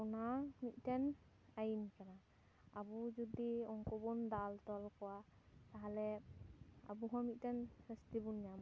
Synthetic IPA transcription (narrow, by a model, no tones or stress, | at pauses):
wnamit̪̚ˀtɛn | ajinkana | abud͡ʒɔd̪iɔŋkɔbɔnd̪alt̪ɔlkɔwa | t̪aɦalɛ | a̰buɦɔmit̪̚ˀtɛnɾəst̪ibunjam